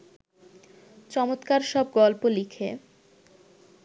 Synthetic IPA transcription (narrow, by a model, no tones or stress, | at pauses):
t͡ɕɔmot̪kaɾʃɔb̚ɡɔlpolikʰe